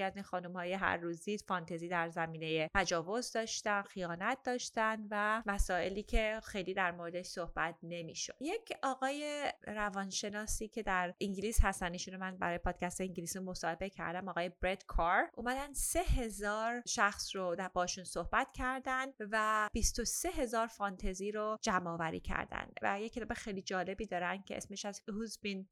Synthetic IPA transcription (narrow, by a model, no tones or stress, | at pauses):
æzinxɒːnumhɒːjeɦæ̰ɾːuːzd̪iːd̪fɒnt̪ʰeziːd̪æɾzæmiːne̞jepʰæd͡ʒɒːvozd̪ɒːʃt̪ænxijɒːnæt̪̚d̪̥ɒːʃt̪ænvæmæsɒːe̞liːcʰe̞xe̞jliːd̪æɾmoɾed̪e̞ʃsohbæt̪̚ʰne̞mḭːʃo̞̰d̪̥jecʰʔɒːɣɒːje̞ɾævɒnʃe̞nɒːsiːcʰe̞d̪æɾʔiŋɟiliːshæst̪æniːʃunɾomænbæ̰ɾɒːjepʰɒːd̪̥̚cʰæst̪eiŋɟilisimo̞sɒːhe̞be̞cʰæ̰ɾd̪æmɒːɣɒːjebɾe̞d̪kʰɒɾʔuːmæd̪ænd̪sse̞he̞zɒːɾʃæxsrod̪bɒːʃunsohbæt̪ʰcʰæɾd̪ænd̪væb̥ist̪o̞se̞ɦe̞zɒːɾfɒnt̪ʰeziːɾod͡ʒæmːɒːvæɾḭːcʰæ̰ɾd̪æ̰nd̪væ̰jecʰːet̪ɒːbexejlid͡ʒɒːle̞biːd̪ɒːɾænd̪̥̚cʰe̞̰ḛsme̞ʃæzhuzbin